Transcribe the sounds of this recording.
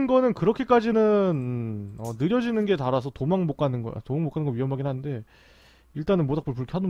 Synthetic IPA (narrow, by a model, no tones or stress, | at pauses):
nɡʌnɯnkɯɾʌkʰek͈ad͡ʑinɯnʌnɯɾjʌd͡ʑinɯnɡe̞taɾas̬ʰʌtomaŋmok͈anɯnɡʌ̰a̰tomaŋmok͈ʰanɯnɡʌɥiɦʌmbaɡinɦanɯnde̞ | iɭt͈anɯnmwodakp͈ɯɭpuɭkʰeɦado